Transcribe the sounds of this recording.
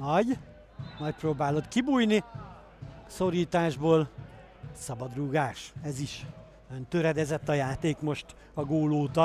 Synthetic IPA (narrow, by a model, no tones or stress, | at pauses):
nɒɟ | nɒc̚proːbaːlo̞t̪kibuːjni | so̞ɾiːt̪aːʒboːl | sɒbɒd̪ruɡaːʃɛziʃ | ønt̪øɾɛd̪ɛzɛt̪ːɒjaːt̪eːkmo̞ʃt̪ | ɒɡoːloːt̪ɒ